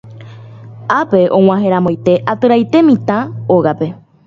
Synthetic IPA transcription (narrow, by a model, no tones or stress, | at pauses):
ape̞ʔõw̃ãɦẽ̞ɾãmojt̪e̞ʔat̪ɨɾajt̪e̞mĩt̪ãoɣape̞